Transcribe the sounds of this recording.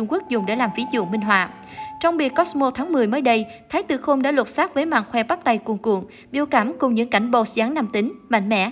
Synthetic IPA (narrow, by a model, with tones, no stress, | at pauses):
ʊ˧ŋ͡mku˦˥ək̚zʊ˨˩ŋ͡mɗe˧˩laː˨˩mvi˨˦zṵ˧˨əŋmï˧ŋ̟ɦwa̰ː˧˨ | t͡ɕɔ˧wŋ͡mɓi˨˩əkːɔ˦˥smo˧t̪ʰaː˨˦ŋmɨ˨˩əjməː˨˦jɗə˧jt̪ʰaː˨˦jt̪ɨ̰˧˩xo˧mɗa̰ː˧˥lwə˨˩t̚saː˦˥k̚vəː˨˦jma̰ː˧˨ŋxwɛ˧ɓa˦˥p̚t̪a˧jku˧˩əŋkṵ˧˨əŋ | ɓi˧əwka˧˩mkʊ˨˩ŋ͡mɲɨ̰˧˥ŋka˧˩jŋ̟ɓo˧˩szaː˨˦ŋna˧mt̪ï˨˦ŋ̟ma̰˧˨jŋ̟mɛ̰˧˥